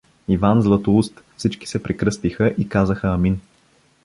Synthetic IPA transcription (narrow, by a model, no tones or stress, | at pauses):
ivanzlˠət̪oust̪fsit͡ʃki̥sɛpɾɛkɾɤst̪ixəʔikazəxəɐmin